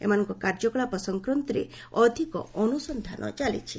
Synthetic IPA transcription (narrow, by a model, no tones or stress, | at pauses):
ḛmanɔŋkɔkaɾd͡ʒɔkɔɭapɔsɔŋkɾɔnt̪ɔɾḛ | ɔd̪ʱikɔ̰ɔnusɔnd̪ʱanʔɔ̰t͡ʃalḭt͡ʃʰi